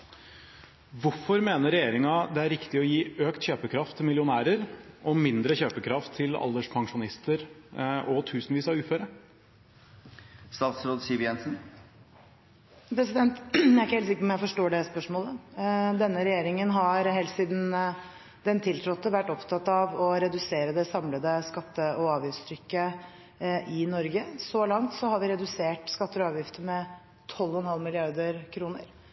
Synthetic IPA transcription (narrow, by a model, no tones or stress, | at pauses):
ʋʊɾfɔɾmeːnəɾɛjeːɾɪŋɑd̪ɛæɾɪkt̪ɪɔjiːøːkt̪çøːpəkʰɾɑft̪ʰːɪlmɪljʊnæːɾəɾʔɔmɪnd̪ɾəçøːpəkʰɾɑft̪ʰːɪlɑ̰ld̪əʂpʰɑŋʂʊnɪst̪əɾʔɔt̪ʰʉːsnʋiːsɑʋʉːføːɾə | st̪ɑːt̪sɾoːd̪siʋjɛnsn | pʰɾɛsɪd̪ɛnt̪jæɾɪkːəɛːlt̪sɪkːəpɔmjæɛfɔʂʈoːɖɛspœʂmoːləd̪ɛnːəɾɛjeːɾɪŋənɦɑɾɦɛlt̪siːd̪n | d̪ɛnt̪ʰɪlt̪ʰɾɔt̪ːəʋæʈːɔpt̪ʰɑt̪ːɑʋɔɾɛd̪ʉseːɾəd̪ɛsɑmləd̪əskɑt̪ːəʔɔɑːʋjɪft̪st̪ʰɾʏkːə | ʔɪnɔɾɡəsɔlɑŋt̪sɔhɑɾʋɪɾɛd̪ʉseːʈskɑt̪ːəɔɑːʋjɪft̪əmɛ | t̪ʰɔlːɔnhɑlmɪlɪɑɾd̪əɾkʰɾuːnə̰ɾ